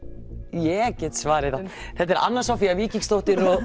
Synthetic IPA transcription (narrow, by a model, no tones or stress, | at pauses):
jɛcɛt̪svaːɾɪθa | θɛt̪ɛɾʔa̰nːaɾ̥sawfiaviːciŋst̪oht̪ɪɾɔ